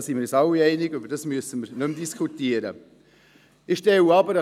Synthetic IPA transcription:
sinməɾɛsɑwiɛɪnɪɡybəɾd̥ɑsmyəsənməɾnʉmdiskʰutiəɾə̰ | ɪxʃtɛwɑbəɾ

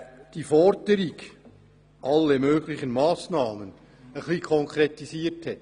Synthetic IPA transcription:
d̥ifɔɾdəɾiɡ | ʔɑlːemøːɡlɪχənmaːsnɑːmən | əχliːkʰɔŋkʰretisiːəthɛtː

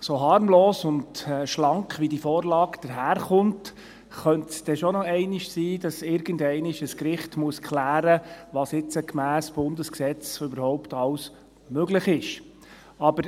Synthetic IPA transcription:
soɦɑːɾmloːsʊndʃlɑŋkχʋidifɔːɾlɑːkd̥əɾɦæːɾχʊnt | χœntsd̥ɛʃɔnɔɛɪnɪʃsiːd̥ɑsɪɾɡ̥əndɛɪnɪʃəskɾɪχtmuəskχlæːɾəʋɑsɪt͡səkmæːsb̥ʊndəsksɛt͡sʏbəɾhɔʊptɑws | møɡlɪχɪʃ | ɑbəɾ

